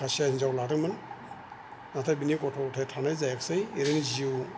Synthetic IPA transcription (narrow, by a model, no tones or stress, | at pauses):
kʰasiahinzawlatɯkman | natʰabinikɔtʰɔkɔtʰajtʰanajzajaksajeɾeniziu